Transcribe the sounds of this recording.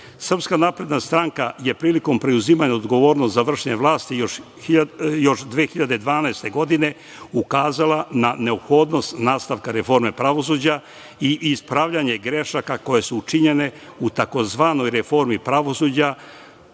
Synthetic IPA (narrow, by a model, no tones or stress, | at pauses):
sr̩pskanaːpɾe̞d̪nast̪ɾaŋkaje̞pɾiːliko̞mpɾeuziːmaɲaod̪ɡo̞ʋo̞ːɾnost̪zaʋr̩ʃeɲeʋlaːst̪ijoʃ | jo̞ʃd̪ʋeːxiʎad̪e̞d̪ʋaːnaest̪e̞ɡo̞d̪ine̞ | ukaːzalanane̞opxo̞ːd̪no̞st̪naːst̪aʋkaɾe̞fo̞ɾme̞pɾaʋo̞s̬uːd͡ʑa | iʔispɾaʋvʎaɲeɡɾe̞ʃakako̞je̞suut͡ʃiɲe̞ne̞ | ut̪ako̞zʋaːno̞jɾefo̞ɾmipɾaʋo̞suːd͡ʑa